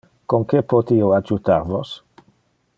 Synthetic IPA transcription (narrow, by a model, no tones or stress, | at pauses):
koŋkepot̪ioad͡ʒut̪aɾvos